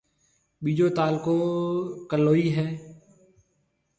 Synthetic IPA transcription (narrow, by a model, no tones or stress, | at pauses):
ɓiːd͡ʒoːt̪aːlkõːkəlːoːiːɦɛː